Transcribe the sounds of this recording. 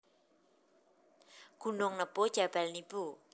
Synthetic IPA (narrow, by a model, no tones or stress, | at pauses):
ɡ̥ṳnʊŋnəb̥od̥ʒ̥a̤b̥a̤lnib̥u